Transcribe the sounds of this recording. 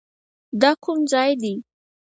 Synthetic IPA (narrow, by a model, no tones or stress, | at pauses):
d̪ɑkʰʊmzɑjd̪i